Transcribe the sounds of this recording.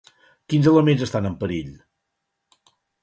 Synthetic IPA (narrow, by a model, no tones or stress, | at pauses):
kinzələmenzəst̪anəmpəɾiʎ